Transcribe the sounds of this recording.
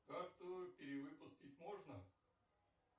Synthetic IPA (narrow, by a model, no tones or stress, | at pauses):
kart̪ʊʊpʲɪɾʲɪvɨpʊsʲtʲɪtʲmoʐnə